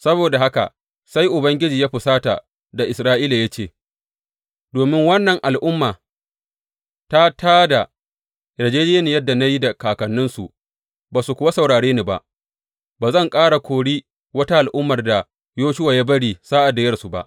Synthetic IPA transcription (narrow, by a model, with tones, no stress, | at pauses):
sɐ˦boː˨da˨ɦa˦ka̰˨ | sa˦jʔʊ˨bɐ˦ŋɡʲɪ˦d͡ʒiː˨jaː˦ɸɪ˨saː˦ta̰˨ | da˨ʔɪ˨sɾaː˦ʔiː˦la˨ja˦t͡ʃeː˦˨ | doː˨mɪ˦ŋwɐ˦nːɐ˨ŋʔa˨lʔʊ˦mːaː˨ | ta˦taː˦da˨ | ɾɐ˨d͡ʒeː˦d͡ʒɪ˦ja˦ni˨jɐ˦dːa˨na˦ji˦da˨kaː˨kɐ˨nːɪ˦nsu˨ʔ | baː˨su˨kʷʊ˨wa˦sɐ˨wɽaː˨ɽeː˦niː˦ba̰˨ʔ | baː˨zɐ˦˨ŋkʼaː˦ɽa˨kʷoː˨ɽiː˦ | wɐ˦ta˦ʔa˨lʔʊ˦mːɐ˨rda˨ | joː˦ʃʊ˦waː˨jaː˦bɐ˦ɽiː˨saː˦ʔa˨da˨jɐ˦rsu˨ba̰˦ʔ